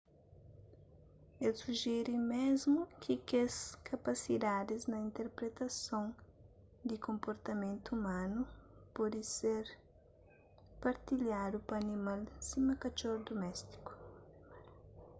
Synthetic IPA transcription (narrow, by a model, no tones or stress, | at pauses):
elsuʒɛɾimezmʊkʰikeskʰɐpasid̪ad̪ɪznɐĩnt̪eɾpɾet̪ɐsõŋ | d̪ɪkõmpoɾt̪ɐmẽnt̪uumãnupɔd̪ɪseɾ | paɾt̪iʎad̪upɐːnĩmalsimɐkɐt͡ʃoɾd̪omɛst̪i̥ku̥